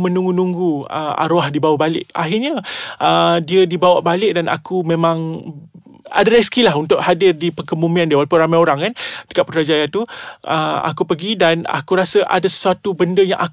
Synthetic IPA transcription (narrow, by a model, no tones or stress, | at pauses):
mə̃nũŋɡunuŋɡuə̰a̰ɾoahdibawabalɪ̰ʔa̰ɦɪrɲaʔədiədibawaʔbalɪʔ̚danʔa̰kumẽmãŋ | a̰daɾɛskilaɦunt̪ʊʔ̚hadɪrdipəkəmumĩandiəwalapʊnrɾamajoɾaŋkandə̥kat̪̚pət̪ɾad͡ʒajat̪uʔəa̰kupəɡidana̰kuɾasəʔa̰dasə̥suat̪ubəndəja̰ŋʔa